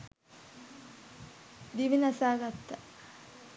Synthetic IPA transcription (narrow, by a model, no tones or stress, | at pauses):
d̪iʋinasaːɡat̪ːa